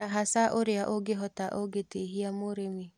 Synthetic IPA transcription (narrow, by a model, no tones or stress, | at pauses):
aɦasaʔoɾeaʔoɡeɦɔtaʔoɡeteɦiamoɾemi